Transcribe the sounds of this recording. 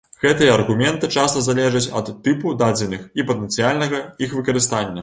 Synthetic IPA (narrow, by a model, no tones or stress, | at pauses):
ɣɛt̪ɨjɐɐrɣumʲɛnt̪ɨt͡ʂast̪ɐzalʲɛʐɐt͡sʲɐ̰t̪ːɨpud̪ad͡zʲɛnɨxipɐt̪ɛnt̪sɨjalʲnɐɣɐixvɨkɐɾɨst̪anʲːɐ